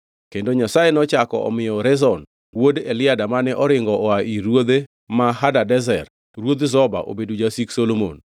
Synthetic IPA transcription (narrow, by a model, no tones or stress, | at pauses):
kendoɲasajenɔt͡ʃakɔ̰ɔ̰mɪjɔɾɛzɔn | wodelɪadamanɛʔɔɾɪŋɡɔʔɔaʔiɾwod̪e | maɦadadɛzɛr | ɾwod̪zɔba̰ʔo̰bedud͡ʒasiksolomo̰n